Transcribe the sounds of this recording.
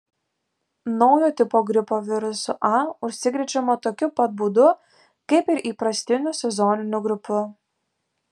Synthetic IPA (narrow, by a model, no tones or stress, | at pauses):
nɒʊjoːt̪ʲɪpoːɡɾʲɪpoːʋʲɪɾʊsʊʔɑʊʃʲsʲɪɡʲɾʲɪd͡ʒʲɛmoːt̪oːkʲʊpɐt̪̚buːd̪ʊ | kɐɪpɪɾʔiːpɾɐsʲt̪ʲɪnʲʊsʲɛzɔnʲɪnʲʊɡɾʲʊpʲʊ